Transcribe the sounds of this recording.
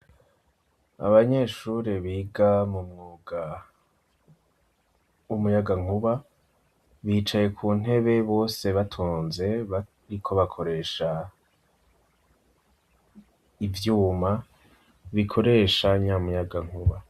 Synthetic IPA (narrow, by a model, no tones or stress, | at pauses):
a̰βaɲe̞ːʃuɾeβiːɡamumŋuːɡa | wumujaɡaŋ̥uβa | βiːt͡ʃaje̞kʰuːn̥e̞βe̞βo̞ːse̞βatʰoːnze̞ | ɾikʰo̞βakʰo̞ɾe̞ːʃa | ivjuːma | βikʰo̞ɾe̞ːʃaɲamujaɡaŋ̥uβa